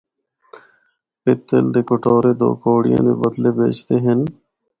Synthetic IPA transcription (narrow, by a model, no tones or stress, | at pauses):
pɪt̪ːeld̪eːkʊʈoːɾeːd̪o̰ːkoːɽɪjã̰ːd̪eːbəd̪leːbeːt͡ʃt̪eːɦɪn